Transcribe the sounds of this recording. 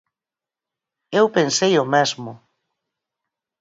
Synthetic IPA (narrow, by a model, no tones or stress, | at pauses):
ewpensejʊmɛzmʊ